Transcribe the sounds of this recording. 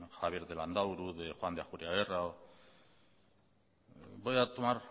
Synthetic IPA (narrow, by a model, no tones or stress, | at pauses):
xaβjeɾðeland̪awɾuðexoand̪eaxuɾiaβerao | bojat̪omar